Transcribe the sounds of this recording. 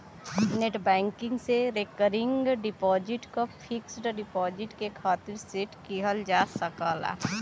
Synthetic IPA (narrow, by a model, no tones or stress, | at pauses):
neʈbɛ̃ːŋkɪ̃ŋɡseɾekəɾɪ̃ŋɡɖɪpɔːd͡ʒɪʈkopʰɪksʈɖɪpɔːd͡ʒɪʈkekʰaːt̪ɪɾseʈkiɦəld͡ʒaːsɐkaːla̰ː